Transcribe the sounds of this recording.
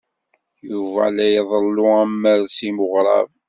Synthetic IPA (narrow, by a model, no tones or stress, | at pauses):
juvæ̰læjðˤəlːʊæmːəɾsimʊʁɾˤɑ̰v